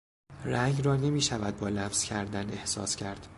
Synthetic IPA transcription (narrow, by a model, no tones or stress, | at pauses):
ræŋɡɾɒːne̞miːʃævæd̪̚bɒːlæfz̥cʰæɾd̪æne̞hsɒ̰ːscʰæɾd̪̥